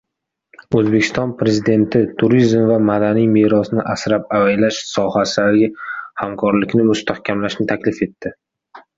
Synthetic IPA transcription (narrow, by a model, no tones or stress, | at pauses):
ɵzbe̞kʲʰɪ̥st̪ɒnpʰɾe̞zid̪e̞nt̪ʰɪt̪ʰʊɾizmvamad̪anijmeɾɒsnɪʔasɾapavajlaʃsɒhasɪlaɾɡʲahamkʰɒɾlɪkʲnɪmʊst̪ʰahkʲʰamlaʃnɪt̪ʰakʲlɪfe̞t̪ʰːɪ